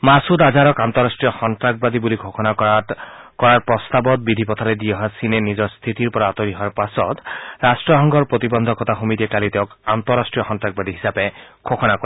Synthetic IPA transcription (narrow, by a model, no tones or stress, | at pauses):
masudazaɹɔkant̪ɔɹastɹijɔxɔntɹak̚bad̪ibulikʰɔkɔna | kɔɹaɹpɹɔst̪abɔt̪̚bid̪ʱipɔt̪ʰaɾɛdiɔɦasinɛnizɔɹst̪ʰitiɹpɔɹaːt̪ɔɹiɦɔaɹpasɔ̰t̪ɹastɹɔɦɔŋɡʱɔɹpɹot̪ibɔnd̪ʱɔkɔt̪axomitɛkalitɛʊ̃kant̪ɔɹastɹijɔxɔntɹaɡ̚bad̪iɦisapɛɡʰɔkɔnakɔa